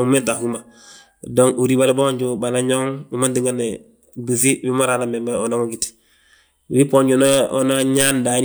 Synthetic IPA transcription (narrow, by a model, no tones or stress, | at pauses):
umentahuma | doŋuɾibaliboɲɟubanaɲoŋumandiŋɡone | bisiwimoɾaːnamembaonoŋuɡiti̥ | wipoɲɟunoonaɲandaɲ